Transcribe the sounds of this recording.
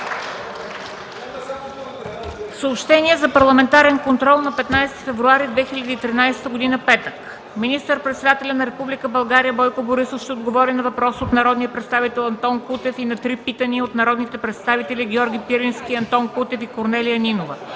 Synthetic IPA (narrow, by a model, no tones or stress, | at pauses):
fsəopʃt̪ɛniɛzɐpɐɾlˠɐmɛnt̪aɾɛnkont̪ɾɔlˠnɐpɛt̪najsɛ̥t̪i̥fɛvɾuaɾid̪vɛxilʲɐd̪it̪ɾinajsɛ̥t̪əɡod̪inəpɛt̪ək | minist̪əɾpɾɛt̪sɛd̪at̪ɛlʲɐnɐɾɛpublikəbɐlˠɡaɾijəbɔjkoboɾisofʃt̪ɛod̪ɡovɔɾinɐvɐpɾɔsot̪nɐɾɔd̪nijəpɾɛt̪st̪avit̪ɛlˠɐnt̪ɔnkut̪ɛfinɐt̪ɾipit̪əniot̪nɐɾɔd̪nit̪ɛpɾɛt̪st̪avit̪ɛlʲiɡʲɔɾɡʲipiɾinskʲiɐnt̪ɔnkut̪ɛfikoɾnɛlijəninovə